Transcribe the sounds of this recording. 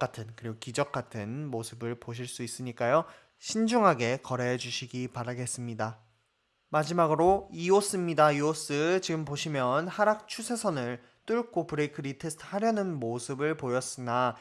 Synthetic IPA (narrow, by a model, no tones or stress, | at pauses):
k͈atʰɯnkɯɾiɡokid͡ʑʌk̚k͈atʰɯnmosʰɯbɯɭpoɕ̬ʰiɭs͈uis͈ɯɲik͈ajo | ɕʰind͡ʑuŋɦaɡe̞kʌɾeed͡ʑuɕʰiɡipaɾaɡe̞s͈ɯmɲida | mad͡ʑimaɡɯɾoios͈ɯmɲidaios͈ɯt͡ɕiɡɯmpoɕʰimjʌnhaɾak̚t͡ɕʰusʰe̞sʰʌnɯɭ | t͈uɭk͈ʰopɯɾekʰɯɾitʰe̞sʰtʰhaɾjʌnɯnmosʰɯbɯɭpojʌs͈ɯna